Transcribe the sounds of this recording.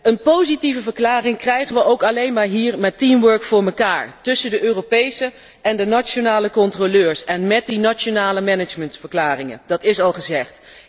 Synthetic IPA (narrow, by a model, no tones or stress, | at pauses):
ənpowzitivəvəɹklaːrɪŋkrɛjχənʋəʔowkɑlejnmaːɹɦiːɹmɛtimʋøɹkfʊːɹməkaːɹtɵsəndəʔøːropejsə | ɛndənat͡ʃonaːləkɔntroløːɹsɛnmɛt̚dinat͡ʃonaːləmɛnəd͡ʒməntfəɹklaːrɪŋə̰ndɑtɪsɑlˠχəzɛχt